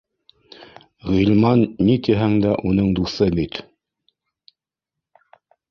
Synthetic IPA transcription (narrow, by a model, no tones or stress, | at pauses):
ʁilʲmɑnːit̪iɦæŋd̪æʔunɤɴd̪uθɤbit̪